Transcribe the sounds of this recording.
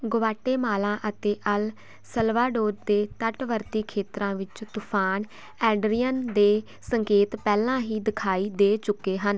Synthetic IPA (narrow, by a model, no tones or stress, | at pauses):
ɡʊʋaːʈːeːmaːlãːʔət̪eːʔəl | səlʋaːɖoːɾd̪eːt̪əʈʋəɾt̪iːkʰeːt̪ɾãːʋɪt͡ʃt̪ʊpʰaːn | ɛːɖɾijənd̪eː | səŋkeːt̪pɛːlãːɦiːd̪ɪkʰaːiːd̪eːt͡ʃʊkːeːɦən